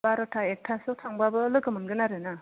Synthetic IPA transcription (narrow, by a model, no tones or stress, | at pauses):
baɾɔtʰaek̚tʰasɯtʰaŋbabɯlɯɡɯmɯnɡɯnaɾɯna